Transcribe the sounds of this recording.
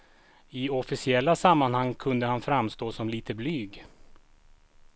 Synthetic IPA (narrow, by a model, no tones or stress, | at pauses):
ɪɔfɪsɪɛlːasamːanhaŋːkʰɵnd̪əhanfɾamːst̪oːsɔmliːt̪ʰəblyːɡ